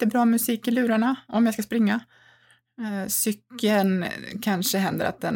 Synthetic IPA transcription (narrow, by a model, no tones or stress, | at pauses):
t̪ːəbɾɑːmɵsiːkɪlʉ̟ːɾaɳaɔmjajskaspɾɪŋːa | sʏkːəlnkʰanʂəɦɛnd̪ə̰ɾa̰t̪̚d̪ɛn